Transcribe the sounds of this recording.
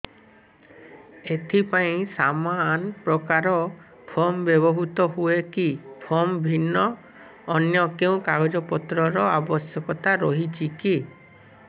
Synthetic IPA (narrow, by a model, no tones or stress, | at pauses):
et̪ʰipaĩsamanpɾɔkaɾɔ | pʰɔmbjɔbɔɦut̪ɔɦuekipʰɔmbʱinːɔː | njɔkeũkaɡɔd͡ʒɔpɔt̪ɾɔɾɔabɔsjɔkɔt̪aɾɔɦit͡ʃʰiki